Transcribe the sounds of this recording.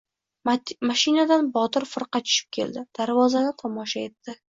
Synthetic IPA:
maʃɪnad̪anbɒt̪ɪɾfɨɾqɑt͡ʃʰʊ̥ʃɪ̥p̚kʲʰe̞̰ld̪ɪd̪̥aɾvɒzanɪt̪ʰɒmɒʃaje̞t̪ːɪ

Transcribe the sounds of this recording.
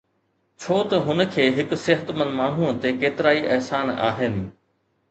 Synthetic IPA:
t͡ɕʰoːt̪ɐɦʊnə̆kʰeːɦɪkʊ̆sɪɦət̪mɐ̃nmaːɳ̤ũːt̪ekeːt̪ɪɾaːiʔɛɦsaːna̰ːɦɪnɪ̆

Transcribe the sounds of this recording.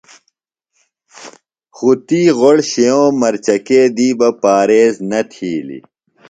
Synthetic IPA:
xut̪iːʁoɽɕejõːmɐɾt͡ɕɐkeːd̪iːbɐpaːɾeːznɐt̪ʰiːlḭ

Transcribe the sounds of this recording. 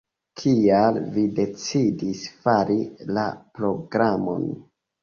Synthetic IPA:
kʰialvide̞t͡sidisfaɾila̰pɾo̞ɡɾamo̞̰n

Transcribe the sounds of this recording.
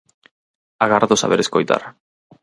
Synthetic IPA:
aɣaɾðosa̰βeɾeskojt̪a̰r

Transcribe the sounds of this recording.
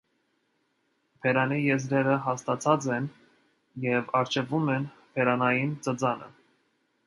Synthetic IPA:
pʰɛɾɑnijɛzɾɛɾəɦɑst̪ɑt͡sʰɑt͡sɛn | jɛvɑɾt͡ʃʰɛvumɛn | pʰɛɾɑnɑjint͡səd͡zɑnə̰

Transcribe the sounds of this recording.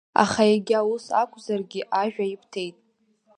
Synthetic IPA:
a̰χajeɡʲawusakʷʰʼzarɡʲɪʔaʒᶣajipʰtʰe̞jtʼ

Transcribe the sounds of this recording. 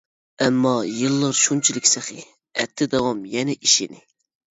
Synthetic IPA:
ɛmːɑjɨlˠːɨɾʃunt͡ʃʰilɪkʲsæχɨ | ɛt̪ʰːɪd̪ɑwɑmjɛnɛʔiʃḭnɪ

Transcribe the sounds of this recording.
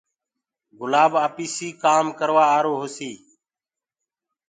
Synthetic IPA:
ɡʊlaːbaːpiːsiːkaːmkəɾʋaːaːɾoːɦosiː

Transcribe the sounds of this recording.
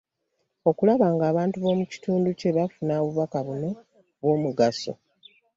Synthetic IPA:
o̞kulaβaːŋɡaːβaːntuβo̞ːmuci̥tuːnduce̞βafunaːβuβakaβune̞ | βwo̞ːmuɡaso̞̰

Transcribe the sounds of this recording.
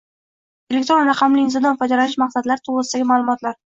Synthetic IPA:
elʲek̚t̪ɾo̞nɾɑqʰɑmlɪːnzɒd̪ɒnfɒd̪alanɪʃmaqsad̪laɾɪt̪ʰoʁʁɨsɪd̪aɡʲɪmaːlˠʊmɒt̪laɾ

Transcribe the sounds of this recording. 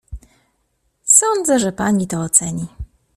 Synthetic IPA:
sɔnd̪zɛʐɛpaɲit̪ɔːt̪sɛɲi

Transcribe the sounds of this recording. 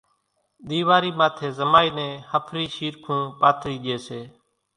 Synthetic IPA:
ɗ̪iːʋaːɾiːmaːt̪ʰeːzəmaːiːnẽːhəpʰɾiːʃiːɾkʰũːpaːt̪ʰɾiːɗeːseː

